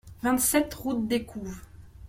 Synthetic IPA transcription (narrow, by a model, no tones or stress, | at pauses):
vɛ̃t̪sɛt̪ʁut̪̚d̪ekʰuːvʁ